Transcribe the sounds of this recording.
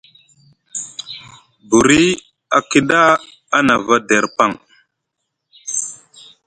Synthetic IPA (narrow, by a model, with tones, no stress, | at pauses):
bu˨ɾi˦ | a˨ki˦ɗa˦ | a˦na˨va˦de˨ɾpa˦˨ŋ